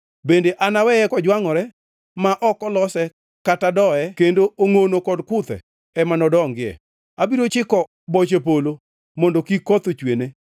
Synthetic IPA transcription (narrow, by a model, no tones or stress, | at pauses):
bendeʔanawɛɛkɔd͡ʒwaŋɔɾɛ | maʔɔkɔlɔsɛ | katadɔɛkendooŋonokɔdkʊt̪ɛ̰ | ɛmanɔdɔŋɡɪɛ̰ | abiɾot͡ʃɪkɔ | bɔt͡ʃepolo | mɔndokikɔt̪ot͡ʃwene